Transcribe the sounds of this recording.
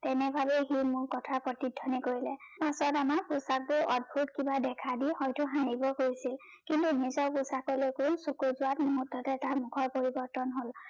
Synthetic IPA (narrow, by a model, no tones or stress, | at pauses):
tɛnɛbʱabeximʊɹkɔtʰaɹpɹɔtidʱːɔnikoɹilɛpasɔtamaɹposak̚tuʔɔd̚bʱutkibadɛkʰadihɔjtʊɦanibɔkojsil | kintunizɔɹpʊsakɔlekusokuzʊatmoɦutːɔtɛtaɹmʊkʰɔɹpoɹibɔɹtɔnɦol